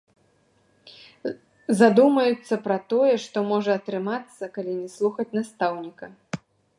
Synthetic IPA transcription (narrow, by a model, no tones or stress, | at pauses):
zad̪umɐjut̪sːɐpɾɐt̪ɔjɛʂt̪ɔmɔʐɐːt̪ɾɨmat̪sːɐkalʲinʲɛslˠuxɐt͡sʲnast̪awnʲikɐ